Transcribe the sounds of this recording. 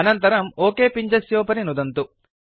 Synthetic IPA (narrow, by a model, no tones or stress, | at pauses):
ɐnɐnt̪ɐɾɐmoːkeːpiɲd͡ʒɐsjoːpɐninud̪ɐnt̪u